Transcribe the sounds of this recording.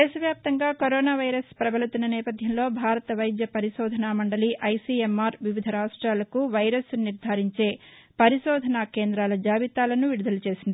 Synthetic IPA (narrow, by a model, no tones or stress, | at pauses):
d̪ɛːʃɐʋjaːp̚t̪ɐŋɡaːkoɾɔːnaːʋɐjɾɐspɾɐbɐlut̪unːɐnɛːpɐd̪ʱjɐmlo̞ːbʱaːɾɐt̪ɐʋɐjd̪jɐpɐɾiʃɔːd̪ʱɐnaːmɐɳɖɐliʔɐjsiːemːaːɾʋiʋid̪ʱɐɾaːʂʈɾaːlɐkuʋɐjɾɐsniɾd̪ʱaːɾiɲt͡ʃe̞ːpɐɾiʃɔːd̪ʱɐnaːkeːnd̪ɾaːlɐd͡ʒaːʋit̪aːlɐnuʋiɽud̪ɐlɐt͡ʃe̞ːsind̪ii